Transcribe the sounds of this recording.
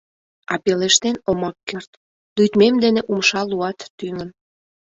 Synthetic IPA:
ɑpeleʃt̪enomɑkːert̪ | lyt̪memd̪eneʔumʃɑluɑt̪ːyŋə̆n

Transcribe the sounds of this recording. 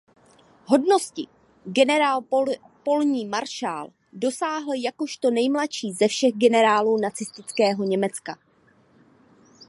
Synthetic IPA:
ɦo̞dno̞scɪ | ɡɛnɛɾaːl | po̞lɲiːmaɾʃa̰ːl | do̞saːɦl̩jako̞ʃt̪o̞nɛjmlaʃiːzɛfʃɛɣɡɛnɛɾaːluːnat͡sɪst̪ɪt͡skɛːɦo̞ɲɛmɛt͡ska

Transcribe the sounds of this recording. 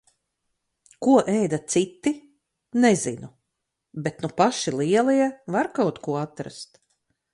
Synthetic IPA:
kuɔʔɛjd̪at̪sit̪ːi | nɛzḭnu | bet̪nupaʃilˠiɛlˠiɛvaɾkawt̪kuɔat̪ɾa̰st̪

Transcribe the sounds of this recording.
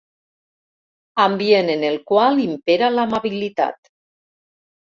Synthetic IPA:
ambienenelˠkwalimpeɾalamaβilit̪a̰t̪

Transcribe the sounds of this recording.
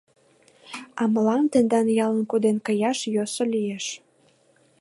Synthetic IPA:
ɑməlɑnt̪end̪ɑnjɑlənkod̪enkəjɑʃjosolieʃ

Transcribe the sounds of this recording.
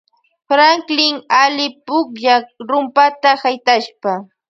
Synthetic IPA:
fɾaŋklɪŋalɪpʊkʎaɾʊmpat̪ahajt̪aʃpa

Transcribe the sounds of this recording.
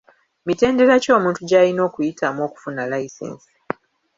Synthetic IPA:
mite̞ːnde̞ɾaco̞ːmũːntuɟaːlino̞ːkujitʰaːmo̞ːku̥funalaisḛːnsi̥

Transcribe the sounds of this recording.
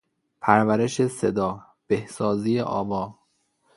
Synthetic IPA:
pʰæɾvæɾeʃesed̪ɒː | b̥ehsɒːzijḛʔɒ̰ːvɒː

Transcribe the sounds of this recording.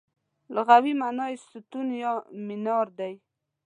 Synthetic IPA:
lʊɣawimanɑɪst̪ut̪unjɑmɪnɑɾd̪aj

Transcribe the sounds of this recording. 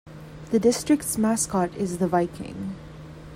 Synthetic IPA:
ðədɪstɹ̥ɪk̚tsmaskɔtɪzðəvaɪkʰɪ̰̃ŋ

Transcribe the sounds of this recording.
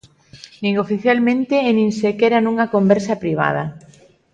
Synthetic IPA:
nĩŋofiθjalmẽnt̪eːnĩŋsekɛɾanũŋɐkombɛɾsɐpɾiβ̞a̰ð̞ɐ

